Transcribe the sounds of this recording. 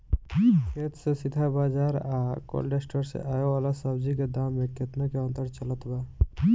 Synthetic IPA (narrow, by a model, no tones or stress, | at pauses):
kʰet̪sesid̪ʱabad͡ʒaɾako̰lɖesʈəɾsḛʔajoalasəbd͡ʒiked̪amːekːet̪nakeɔ̃nt̪əɾt͡ʃələt̪ba